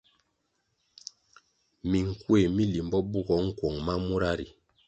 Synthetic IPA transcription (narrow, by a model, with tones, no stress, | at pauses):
mi˨ŋ̩˨kwe˨mi˦li˨mbɔ˦bu˦˨ɡɔ˨˦ŋ̩˦kwɔ˨ŋma˦mu˦ɾa˦ɾi˨